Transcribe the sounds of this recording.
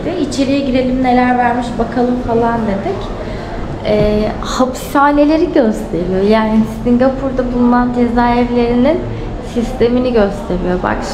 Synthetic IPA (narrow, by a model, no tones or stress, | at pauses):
d̪ɪit͡ʃʰe̞ɾijɛɟid̪e̞lʲimne̞lʲæɾvæɾmiʃbakʰalˠɯmfalˠand̪ed̪ɛc | ɛː | hapʰi̥saːne̞lʲe̞ɾiɟø̞st̪ʰe̞ɾijo̞jaːnisiŋɡapʰuɾd̪abulˠunand͡ʒe̞zaːɛvlʲe̞ɾinin | sist̪ʰe̞miniɟø̞st̪ʰe̞ɾijo̞ba̰k